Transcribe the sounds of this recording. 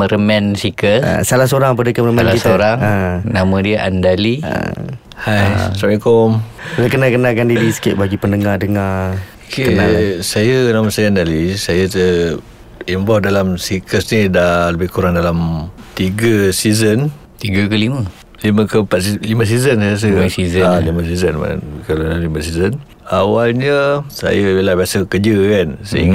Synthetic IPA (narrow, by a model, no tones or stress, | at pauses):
məɾəmɛ̃nsikəssalasoɾaŋpadəkəməɾəmãnakit̪oɾaŋənamə̃diəʔa̰ndaliə̰ | hajsabiŋkɔmlakənakənakandiɾisə̥kɪʔ̚baɡipənəŋadəŋa | kʰeasajənaməsajəandalisajat̪ə | imbɔhdalamsikəsnidaləbɪhkuɾaŋdalamt̪iɡəsizən | t̪iɡəkəlimə | liməkəmpat̪liməs̬izənsajas̬əizaliməs̬izənma̰n̰kallimasizən | awalɲəsa̰jəbelabiasəkəd͡ʒəkansə̰ḭŋɡ